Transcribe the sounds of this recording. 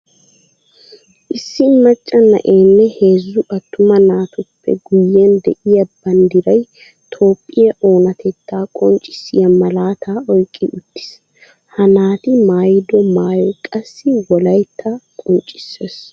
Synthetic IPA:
ʔɪsːɪnɐt͡ʃʼːɐnɐ̰ʔe̞ːnːɛhe̞ːzːʊʔɐt̪ːʊmɐnaːt̪ʊpːɛ̰ɡʊjːend̪ɛʔɪjɐbɐnd̪ɪɾɐj | t̪ʰo̞ːpʼːɪjɐʔo̞ːnɐt̪ɛt̪ːaːkʼɔnt͡ʃʼːɪ̥sɪ̰jɐmɐlaːt̪ʰaːɔjkʼːɪʔʊt̪ːɪ̥s | hɐnaːt̪ɪmaːjɪd̪ɔmaːjɔkʼɐsːɪwɔlɐjt̪ʰːɐkʼɔnt͡ʃʼːɪ̥sːeːs

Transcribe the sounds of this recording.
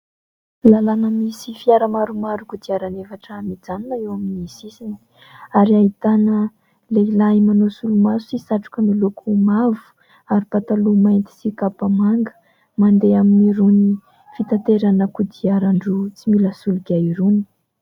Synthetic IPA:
lalanəmisifiaɾəmaɾumaɾukud̪iaɾanefaʈ͡ʂəmid͡zaninaewaminiisisini̥ | aɾiaɦit̪anə | leilaimanosulumazusisaʈ͡ʂu̥kəmilukʰumavu̥ | aɾipat̪alumajnt̪i̥sikapamaŋɡə̥ | mand̪eaminiɾuni | fit̪ant̪eɾanəkud̪iaɾaɳɖ͡ʐut͡similasuluɡʲaiɾunə̥

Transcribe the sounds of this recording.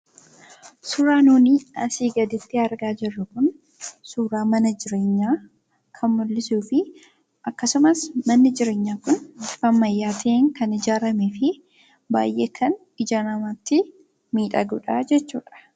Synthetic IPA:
sʊːɾaːnuːniːɐ̰siːɡɐd̪ɪt̪ːɪɐɾɡaːd͡ʒɪrːɐkʊn | suːɾaːmɐnɐd͡ʒɪɾe̞ːɲːaː | kʰɐnmʊlːɪsuːfɪ | ʔɐkːɐsʊmɐsmɐnːɪd͡ʒɪɾe̞ːɲːaːkʊnfɐmːɐjːaːt̪ʰɐʔeːŋkɐnɪd͡ʒaːɾɐmefɪ | ba̰ːjʔeːkʰɐn | ɪd͡ʒaːnɐmaːt̪ːɪ | miːᶑɐɡʊᶑad͡ʒɛt͡ʃːuːᶑɐ̥

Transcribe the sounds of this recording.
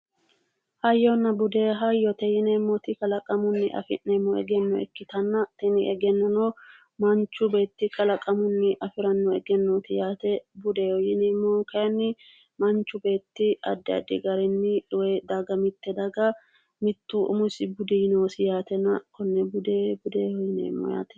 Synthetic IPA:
hɐjːɔnːɐbʊd̪eɦɐjːɔt̪ɛjɪnɛmːɔt̪ɪkɐlɐkʼɐmʊnːɪʔɐ̰fɪ̰nːɛmːɔɛ̰ɡɛnːɔɛ̰kːɪt̪ɐnːɐt̪ɛnɪɛɡɛnːɐnɔ | mɐnt͡ʃːʊbe̞ːt̪ːɪkʼɐlɐkʼɐmʊnːɪʔɐfɪɾɐnːɔɛɡɛnːoːt̪ɪjaːt̪ɛbʊd̪ɛɔjɪnemːɔkɐjɐnːɪ | mɐnt͡ʃːʊbe̞ːt̪ːɪɐ̰d̪ːɛɐ̰d̪ːɪɡɐɾɛnːɪᶑʊwɛd̪ɐɡɐmɪt̪ːɛd̪ɐɡɐ | mɪt̪ːʊʔʊ̰mʊsɪbʊd̪ɛjɪnoːsɪjaːt̪ɛnɐkɔnːɛbʊd̪eːbʊd̪eːhɔjɪnḛːmːɔ̰ja̰ːt̪ɛ̥

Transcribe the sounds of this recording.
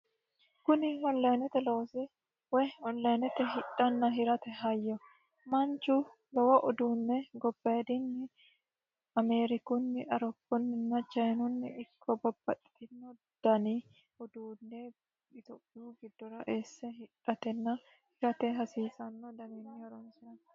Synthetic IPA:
kʊnɪhɔlːɐnɛt̪ɛlo̞ːsɛ | wɛjhɔlːɐjnɛt̪ɛɦɪᶑɐnːɐɦɪɾɐt̪ɛɦɐjːɔ | mɐnt͡ʃːʊ | lɔwɐʔɔd̪uːnːɛɡɔbːɐd̪ɪnːɪ | ɐmeːɾɪkʊnːɪʔɐɾɔpːʊnːɪnːɐt͡ʃɐjnʊnːɪʔɪkʰːɔbɐbːɐt̪ʼːɪ̥t̪ɪnːɔ | d̪̥ɐni | ɔd̪uːnːɛ | ɪt̪opʼːɪuɡɪd̪ːɔɾɐʔeːsːɛɦɪᶑːɐt̪ɛnːɐ | hɪɾɐt̪ɛɦɐsiːsɐnːɔd̪ɐninːɪɐɾɔnsɐnɐ

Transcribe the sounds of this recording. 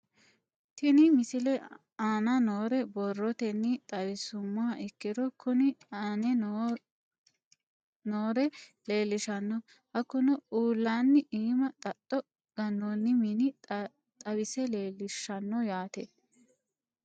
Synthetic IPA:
t̪ɪnɪmɪsɪlɛ | aːnɐnoːɾɛbɔrːɔt̪ɛnːɪt̪ʼɐwɪsʊmːaːʔɪkːɪd̪ɔkʰʊnɪanɛ | noːɾɛle̞ːlːɪʃɐnːɔ | hɐkːʊnɔuːlːaːnːɪʔiːmɐt̪ʼɐt̪ʼːɔ | ɡ̥ɐnːonːɪminɪ | t̪ʼɐwɪsɛleːlɪʃɐnːɔjaːt̪ɛ

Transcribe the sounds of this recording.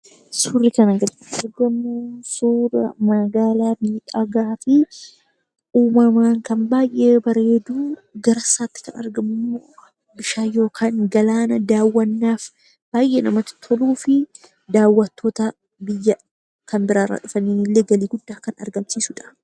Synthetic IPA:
sʊrːɪkɐnɐɡɐt̪ | ɐɾɡɐmːʊsuːɾɐ̰mɐɡaːlaːbiːᶑɐɡaːfɪ | uːmɐmaːŋkɐnbaːjʔe̞ːbɐɾe̞ːd̪uːɡɐɾɐsaːt̪ːɪ̥kɐnɐ̰ɾɡɐmːʊmːoː | bɪʃaːjo̞ːkʰaːŋɡɐlaːnɐd̪aːwːɐnːaːf | b̥aːjʔeːnɐmɐt̪ɪ̥t̪ʰɔluːfɪ | d̪aːwːɐt̪ːoːt̪ɐ | bɪjːɐ | kɐmbɪɾaːrːa̰ːᶑʊfɐniːnɪlːeːɡɐliːɡʊd̪ːaːkɐnɐ̰ɾɡɐmsiːsʊᶑɐ̥

